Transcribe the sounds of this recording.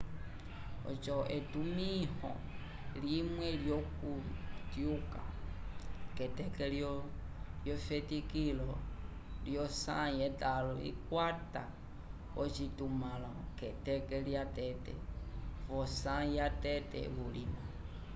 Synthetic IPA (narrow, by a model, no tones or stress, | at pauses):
ɔ̰t͡ʃɔʔɛtumihɔ̰ | limwɛljɔkutjuka̰ | kɛtɛkɛljɔ | jɔfɛtikilɔ | ljɔsã̰jɛtalɔḭkwata | ɔt͡ʃitumalɔkɛtɛkɛljatɛtɛ̰vɔsajatɛtɛ̰βulina